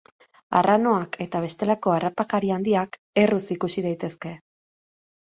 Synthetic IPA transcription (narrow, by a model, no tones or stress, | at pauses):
a̰rano̞akʰe̞t̪aβ̞e̞st̪e̞lako̞arapakaɾiand̪iak | e̞rusikusið̞ajt̪e̞ske̞